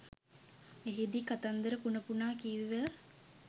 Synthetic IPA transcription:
eɦed̪ikat̪and̪əɾəpunəpunaːkiːʋiʋə

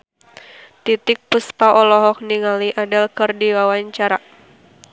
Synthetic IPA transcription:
t̪it̪ɪk̚puspaʔɔlɔɦɔk̚niŋaliʔadalkɨrdiwawaɲt͡ʃaɾa

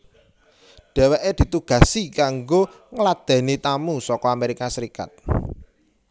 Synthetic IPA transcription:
ɖ̥ɛ̤weʔed̪̥i̤t̪uɡ̥ä̤sikaŋɡo | ŋəlad̪̥ɛ̤nit̪amusɔkɔameɾikasəɾika̰t̪̚

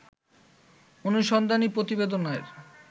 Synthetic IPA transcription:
onuʃɔnd̪ʱanipɾot̪ibed̪onaeɾ

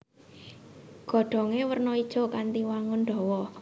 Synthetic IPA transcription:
ɡ̥ɔ̤ɖ̪̥ɔ̤ŋewərnɔid̥ʒ̥ɔ̤kant̪iwaŋʊnɖ̪ɔ̤wɔ

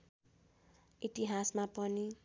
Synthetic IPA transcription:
iʈiɦasmapʌni

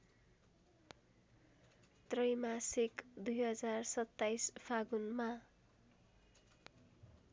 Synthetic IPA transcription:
t̪rʌjmasikd̪ujɦʌd͡zarsʌt̪ːajspʰaɡunma

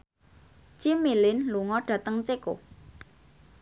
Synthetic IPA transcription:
t͡ʃimilɪnluŋɔɖ̥ä̤t̪əŋt͡ʃeko̰

